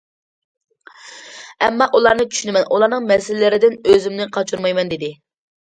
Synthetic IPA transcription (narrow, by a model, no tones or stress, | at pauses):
ɛmːɑʔulˠɑɾnɨt͡ʃʰy̥ʃynɪmɛnʔulˠɑɾnɨŋmɛsɪlɪlɪɾɪd̪ɪnøzɪmnɪqʰɑt͡ʃʰuɾmɑjmɛnd̪ɪd̪ɪ